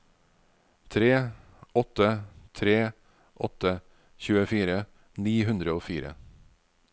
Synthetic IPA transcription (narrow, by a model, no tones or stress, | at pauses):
t̪ʰɾeː | ʔɔt̪ət̪ʰɾeː | ʔɔt̪ə | çʉːəfiːɾə | niːɦʉnd̪ɾəoːfiːɾə̰